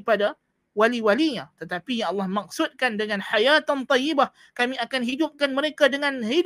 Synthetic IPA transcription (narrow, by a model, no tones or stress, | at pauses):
pada | waliwaliɲãt̪ət̪apijãŋʔɑlːɑhmak̚sʊt̪̚kandəŋãnħajat̪ant̪ˤɑjːibah | kamĩakanɦidʊp̚kanməɾekadəŋãnhid